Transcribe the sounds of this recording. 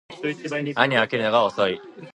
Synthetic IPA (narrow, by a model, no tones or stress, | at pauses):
aɲ̟iakeɾɯnaɡaosoi